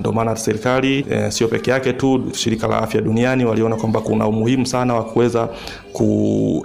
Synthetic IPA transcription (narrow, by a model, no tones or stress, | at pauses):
dɔmaːnasɛɾikalisiɔpɛkɛjakɛtuʃiɾikala̰afjaɗunianiwaliɔnakwambakuna̰umuhimusanawakuwɛza | kṵ